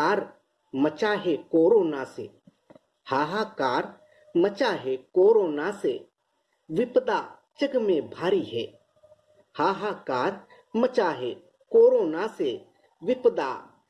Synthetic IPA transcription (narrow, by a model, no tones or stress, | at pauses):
kaːɾ | mət͡ʃaɦekoːɾoːnaseː | haːɦaːkaːɾ | mət͡ʃaːɦekoːɾoːnase | ʋɪpd̪a | t͡ʃəɡmẽbʱaːɾiɦɛː | aːɦakaːɾ | mət͡ʃaːɦe | koːɾoːnase | ʋɪpəd̪a̰ː